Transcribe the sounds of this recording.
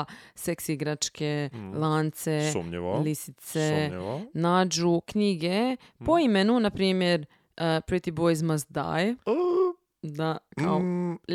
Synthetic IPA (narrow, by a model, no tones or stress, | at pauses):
seksiiɡɾat͡ʃkelˠaːnt̪sesumɲeʋalisi̥t̪senaːd͡ʒukɲiɡe̞ | poimenunapɾiːmjeɾ | pɾit̪ibojzmasd̪a̰j | d̪aka̰o